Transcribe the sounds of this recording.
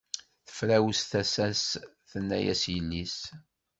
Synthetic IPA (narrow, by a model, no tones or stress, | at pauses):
θə̥fɾæwəsθæsæs | θənːæ̰jæ̰sjəlːis